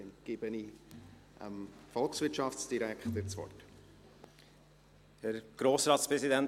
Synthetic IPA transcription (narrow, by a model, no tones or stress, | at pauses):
nɡ̥ɪbəni | ʔmfɔlksvɪtʃɑft͡sd̥iɾækt̪əɾt͡svɔ̰rt | hɛɾɡ̥ɾoːsrɑːtspɾɛsidɛn